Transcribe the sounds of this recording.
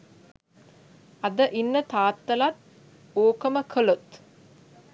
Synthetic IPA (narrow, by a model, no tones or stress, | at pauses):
ɐd̪əʔinːət̪aːt̪ːɐlat̪ | oːkəməkʰəlot̪